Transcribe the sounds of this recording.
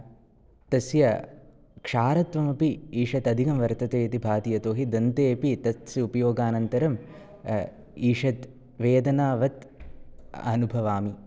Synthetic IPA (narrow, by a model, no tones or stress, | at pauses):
t̪ɐsjɐ | kʂaːɾɐt̪ʋɐmɐpiiːʂɐt̪ɐd̪ʱikɐmʋɐɾt̪ɐt̪eːt̪ibʱaːt̪ijɐt̪oːɦid̪ɐnt̪eːpit̪ɐt̪siupɐjoːɡaːnɐnt̪ɐɾɐm | iːʂɐt̪ | ʋeːd̪ɐnaːʋɐt̪ | ɐ̰nubʱɐʋaːmi